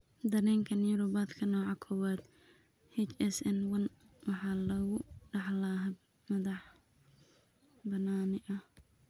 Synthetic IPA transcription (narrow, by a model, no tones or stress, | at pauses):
d̪ɐɾɛːŋkʰɐnjʊɾʊbaːd̪kʰɐnɔːʕɑkʰɔwaːd̪ | hɛt͡ʃɛsɛnwɐn | wɑħɑːlɐɣʊɖɑħlaɦɐ | mɐðɑħ | bɐnaːnɪʔɐh